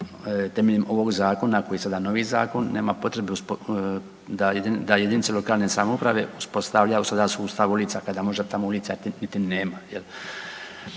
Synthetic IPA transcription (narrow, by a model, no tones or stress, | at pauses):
t̪emeʎemʔo̞ʋo̞ɡzaːko̞nako̞jisad̪ano̞ʋiːzaːko̞nːe̞ːmapo̞t̪ɾebeusp | d̪ajed̪ind̪ajed̪init̪selo̞kaːlne̞samoupɾaʋe̞uspo̞st̪aʋʎausad̪asuːst̪aʋulit̪sakad̪amo̞ʒd̪et̪amoulit̪sat̪init̪ineːmajel